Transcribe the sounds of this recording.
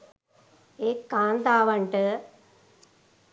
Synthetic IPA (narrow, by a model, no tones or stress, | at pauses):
ekːaːnd̪aːʋɐɳʈɨ